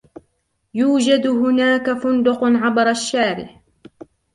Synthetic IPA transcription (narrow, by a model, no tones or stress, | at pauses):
juːd͡ʒad̪hʊnaːkafʊnd̪ʊqnʕabɾˤaʃːaːɾɪ̰ħ